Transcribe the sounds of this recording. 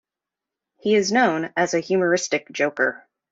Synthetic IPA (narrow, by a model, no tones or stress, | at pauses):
hiɪznõʊ̃nɨzɨhjʉmə˞ɪstɨk̚d̥ʒ̥oʊkə˞